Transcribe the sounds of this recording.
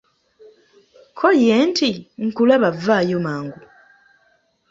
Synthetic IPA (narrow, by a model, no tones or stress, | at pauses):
kʰoljentiŋ̩kulaβavaːjomaːŋɡu